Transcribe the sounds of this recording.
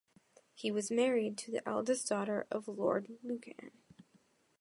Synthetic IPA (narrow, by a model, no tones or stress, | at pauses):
hiwʌzmɛɹid̚tʰɨðḭʔɛ̰lˠdɨsd̥ɔɾə˞ʔʌvlɔ̰ɹdˡlʉkʰɨ̰̃n